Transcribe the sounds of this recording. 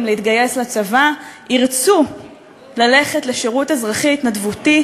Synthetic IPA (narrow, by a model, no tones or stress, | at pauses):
mleit̪ɡaje̞slat͡savaʔiʁt͡su | lale̞χetleʃeʁutezʁaχitnadvuti